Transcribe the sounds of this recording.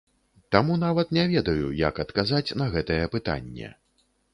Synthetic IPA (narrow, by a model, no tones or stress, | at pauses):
t̪amun̪avɐt̪nʲɛvʲɛd̪ɐjṵjɐkɐt̪kazat͡sʲn̪ɐɣɛt̪ɐjɐpɨt̪a̰nʲːɛ̰